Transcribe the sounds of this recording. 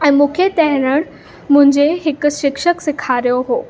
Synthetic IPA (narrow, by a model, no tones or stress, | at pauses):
ɛ̃ːmũːkʰet̪ɛɦɾəɽ̃ | mʊ̃ɦɪ̃ɲd͡ʑeɦɪk̆ʃɪkʃəksɪkʰaɾijoɦoː